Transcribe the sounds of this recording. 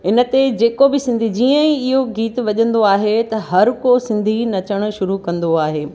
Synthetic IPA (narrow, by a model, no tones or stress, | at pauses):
ɪnə̆t̪ed͡ʑeːkobɪsɪ̃nd̪ʱid͡ʑiːə̃ĩɪɦoɡiːt̪ʋɐʄə̃nd̪oaːɦet̪ɐɦɐɾkosɪ̃nd̪ʱinɐt͡ɕəɽ̃ʃʊɾukɐ̃nd̪oaːɦeː